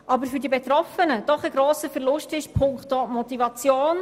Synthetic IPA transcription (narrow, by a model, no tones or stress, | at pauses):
ʔɑbəɾfyɾdibet̪ɾɔfənəd̥ɔχəɡɾoːsəfɛɾlʊʃtɪʃpʰʊŋktoːmɔt̪ivɑt͡sjoːn